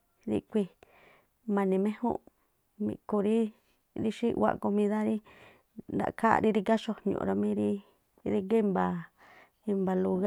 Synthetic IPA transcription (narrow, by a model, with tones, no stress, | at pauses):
ðḭ˧kʷi˧ | mã˧nĩ˧mẽ˦hṵ̃˦ | mḭ̃˧ku˧ɾi˦ | ði˧ʃi˦˧wʷa̰˧ʔko˧mĩ˧ða˦ɾi˦ | nd̪a̰˨ʔka̰˦˧ɾi˧ɾi˧ka˦ʃo˧ɲõ̰˧ʔɾa˧mĩ˦ɾi˦ | ði˧ɡe˦mba˧ | i˧mba˧lu˧ɣ